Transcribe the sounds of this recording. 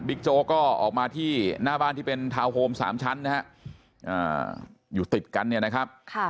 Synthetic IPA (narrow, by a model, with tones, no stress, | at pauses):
bi˦˥k̚t͡ɕoː˧kɔː˥˩ʔɔ̰ː˨˩k̚maː˧t̪ʰiː˥˩naː˥˩baː˥˩nt̪i˥˩pe˧nt̪ʰaː˧whoː˧msa̰ː˩˦mt͡ɕʰa˦˥nːa˦˥ɦa˦˥ʔ | ʔə̰ː˨˩juː˨˩t̪i˨˩t̪̚ka˧nːi˥˩ɐna˦˥kʰa˦˥p̚kʰa˧˩